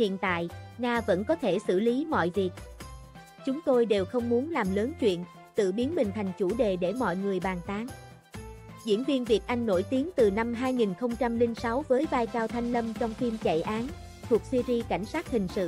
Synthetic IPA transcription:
hḭ˧˨ənt̪a̰ː˧˨jnaː˧və̰˧˥nkɔ˨˦t̪ʰe˧˩sɨ̰˧˩li˨˦mɔ̰˧˨jvi˨˩ək̚ | t͡ɕʊ˨˦ŋ͡mt̪o˧jɗe˨˩wxə˧wŋ͡mmu˨˦ənlaː˨˩mləː˨˦nt͡ɕwḭ˧˨ən | t̪ɨ̰˧˨ɓi˨˦ənmï˨˩ŋ̟t̪ʰa˨˩jŋ̟t͡ɕu˧˩ɗe˨˩ɗe˧˩mɔ̰˧˨jŋɨ˨˩əjɓaː˨˩nt̪aː˨˦ŋ | zḭ˧˥ənvi˧ənvi˨˩ək̚ʔa˧jŋ̟no˧˩jt̪i˨˦ənt̪ɨ˨˩na˧mɦaː˧jŋi˨˩nxə˧wŋ͡mt͡ɕa˧mli˧ŋsa˨˦wvəː˨˦jvaː˧jkaː˧wt̪ʰa˧jŋ̟lə˧mt͡ɕɔ˧wŋ͡mfi˧mt͡ɕə̰˧˨jʔaː˨˦n | t̪ʰu˨˩ək̚swi˧zi˧ka˧˩jŋ̟saː˦˥t̚hï˨˩ŋ̟sɨ̰˧˨

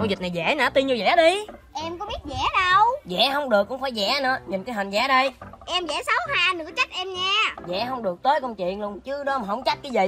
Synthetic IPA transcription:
ə˧ŋ͡mzi˨˩na˨˩jzɛ˧˩na̰ː˧˥t̪i˧nɲu˧zɛ̰ː˧˩˦ɗi˧ʔɛ˧mkɔ˨˦ɓi˦˥ət̚zɛ̰˧˩˥ɗə˧wzɛ̰˧˩˥ɦə˧wŋ͡mɗɨ˨˩əkːʊ̰˧˥ŋ͡mfaː˧˩jzɛ̰˧˥nɨ̰˧˥əɲi˨˩nkaː˨˦jɦï˨˩nzɛ̰ː˧˦ɗə˧jʔɛ˧mzɛ̰˧˩sə˨˦whaː˧nɨ̰˧˥ət͡ɕa˦˥t̚ʔɛ˧mɲaː˧zɛ̰˧˩ɦə˧wŋ͡mɗɨ˨˩ək̚t̪əː˨˦jkə˧wŋ͡mt͡ɕḭ˧˨ənlu˧ənt͡ɕɨ˨˦əɗɔ˨˦ma˨˩ɦə̰˧˩wŋ͡mt͡ɕa˦˥t̚ɲa˨˦jzə̰˧˨j

